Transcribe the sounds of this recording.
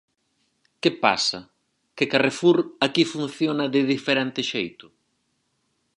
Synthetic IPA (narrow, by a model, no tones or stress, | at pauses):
kɪpa̰sɐ̰ | kɪkarefuɾakifun̟θjonɐðɪðifeɾent̪ɪʃejt̪ʊ̥